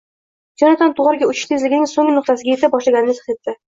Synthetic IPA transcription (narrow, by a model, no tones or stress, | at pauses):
d͡ʒɒnad̪ant̪ʰʊʁɑɾɡʲaʊt͡ʃʰɪ̥t̪ʰezlɪɡʲɪnɪŋsoŋɪnʊqt̪asɪɡʲajet̪ɪp̚bɒʃlaɡʲanɪnɪt̪ʰχt̪et̪ːɪ